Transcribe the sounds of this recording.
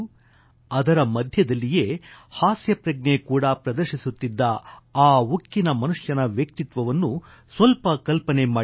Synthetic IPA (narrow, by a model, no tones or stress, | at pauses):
ɐd̪ɐɾɐmɐd̪ʱjɐd̪ɐlːijeːhaːsjɐpɾɐɡɳekuːɽɐpɾɐd̪ɐɾʃisut̪ːid̪ːɐaːukːinɐmɐnuʂjɐnɐʋjɐk̚t̪it̪ʋɐʋɐnːu | sʋɐlpɐkɐlpɐnemaː